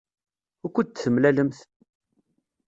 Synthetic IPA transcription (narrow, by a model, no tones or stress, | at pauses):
ækʷːət̪θəmlæləmθ